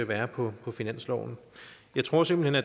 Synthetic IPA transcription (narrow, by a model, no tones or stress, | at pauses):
eʋæːɐpʰɒ̽pʰɒ̽finæn̰slɒʊ̰n̩jɑ̈ɪt͡sʰʁo̝ɐ̰se̝mb̥l̩henæd̥